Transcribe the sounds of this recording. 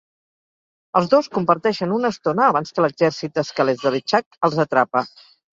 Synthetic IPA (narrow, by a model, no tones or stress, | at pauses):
əlˠzðoskumpəɾt̪ɛʃənunəst̪onəːβanskələɡzɛɾsit̪̚d̪əskəlɛzðəlit͡ʃakəlˠzət̪ɾapə